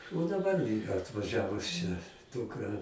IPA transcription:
oː dɐˈbɐr ɐtʋɐˈʒʲæːʋʊs t͡ʃʲɛ ˈduːkrɐ

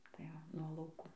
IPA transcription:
tɐɪ ˈʋɐ nuɔ lˠɐʊˈkuː

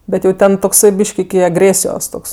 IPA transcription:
ˈbʲɛt jɛʊ ˈtʲɛn toːkˈsɐɪ ˈbʲiːʃk ɪkʲɪ ɐɡˈrʲeːsʲɪjoːs ˈtoːks

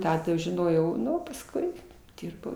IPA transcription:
ˈtɑː ʒʲɪˈnoːjɛʊ ˈnʊ pɐsˈkʊɪ ˈdʲɪrbɐʊ

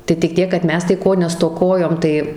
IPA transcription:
tɐɪ tʲɪk ˈtʲiɛk kɐt ˈmʲɛs tɐɪ ˈkoː nʲɛstoːˈkoːjoːm ˈtɐɪ

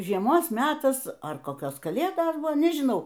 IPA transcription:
ʒʲiɛˈmoːs ˈmʲæːtɐs ɐr koːˈkʲoːs kɐˈlʲeːdoːs ˈbʊʋoː nʲɛʒʲɪˈnɐʊ

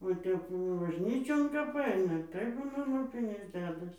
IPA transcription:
ʋɐ ˈtʲɛp bɐʒʲˈnʲiːt͡ʃʲoːn kɐp ˈɐɪnɐ tɐɪ ˈbuːnɐ lˠoːˈpʲɪnʲʊs ˈdʲæːdɐs

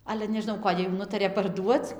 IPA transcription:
ˈɑːlʲɛ nʲɛʒʲɪˈnɐʊ ˈkoːdʲeː juː ˈnʊtɐrʲeː pɐrˈduɔt͡s

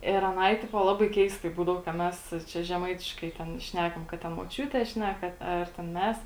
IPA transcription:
ɪr ɐˈnɐɪ ˈtʲɪpoː ˈlˠɑːbɐɪ ˈkʲɛɪstɐɪ ˈbuːdɐʋoː kɐ ˈmʲɛs ˈt͡ʃʲɛ ʒʲɛˈmɐɪtʲɪʃkɐɪ ˈtʲɛn ˈʃʲnʲæːkɐm kɐt tʲɛn moːˈt͡ʃʲuːtʲeː ˈʃʲnʲæːkɐ ˈɐr tʲɛn ˈmʲɛs

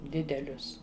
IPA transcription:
ˈdʲɪdʲɛlʲʊs

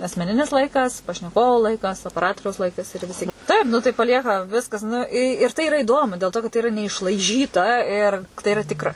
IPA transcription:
ɐsʲmʲɛˈnʲɪnʲɪs ˈlˠɐɪkɐs pɐʃʲnʲɛˈkoːʋoː ˈlˠɐɪkɐs oːpʲɛˈrɑːtoːrʲɛʊs ˈlˠɐɪkɐs ɪr ʋʲɪˈsʲɪ ˈtɐɪp ˈnʊ tɐɪ pɐˈlʲiɛkɐ ˈʋʲɪskɐs ˈnʊ ɪ ɪr ˈtɐɪ ɪˈrɐ ɪˈdoːmʊ dʲeːlˠ ˈtoː kɐt tɐɪ ɪˈrɐ nʲɛɪʃlˠɐɪˈʒʲiːtɐ ɪr tɐɪ ɪˈrɐ ˈtʲɪkrɐ

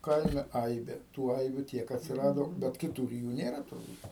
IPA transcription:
ˈkɐɪmʲɛ ˈɐɪbʲeː tuː ˈɐɪbʲuː ˈtʲiɛk ɐtʲsʲɪˈrɑːdoː bʲɛt kʲɪˈtuːr ɪ ˈjuː ˈnʲeːrɐ tʊrˈbuːt

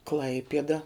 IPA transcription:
ˈklˠɐɪpʲiɛdɐ

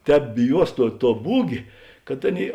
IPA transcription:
ˈtʲɛːp bʲɪˈjuɔs ˈtuɔ tuɔ ˈbuːɡʲeː kɐt ˈɑːˌnʲeːɪ

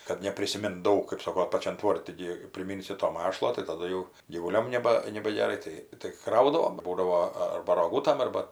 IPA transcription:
kɐt nʲɛpʲrʲɪsʲɪˈmʲɪnt ˈdɐʊk kɜp ˈsoːkoː pɐˈt͡ʃʲɛn ˈtʋoːrʲtʲɪ ɡʲɪ pʲrʲɪˈmʲɪnʲsʲɪ toː ˈmɑːʃlˠoː tɐɪ tɐˈdʊ jɛʊ ɡʲiːʋʊˈlʲoːm nʲɛˈbɐ nʲɛbɐɡʲɛˈrɐɪ ˈtɐɪ tɐɪ ˈkrɐʊdɐʋoːm ˈbuːdɐʋoː ɐrbɐ roːˈɡuːtɐm ˈɐrbɐ

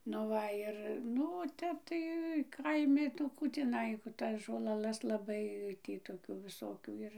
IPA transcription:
nʊ ˈʋɐ ɪr ˈnʊ oː ˈtʲɛp tɐɪ ˈkɐɪmʲɪ nʊ ˈkuː tʲɪˈnɐɪ ˈtɐs ʒoːlˠɐˈlˠɐs lˠɐˈbɐɪ ˈtʲiː toːˈkʲuː ʋʲɪˈsoːkʲuː ˈɪr

